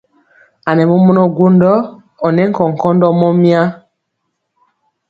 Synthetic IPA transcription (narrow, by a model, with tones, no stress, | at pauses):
a˨nɛ˨mɔ˦mɔ˦nɔ˦ɡu˦ndɔ˦ | ɔ˨nɛ˦ŋ˦kɔ˨ŋ˨kɔ˦ndɔ˦mɔ˦mi˦a˦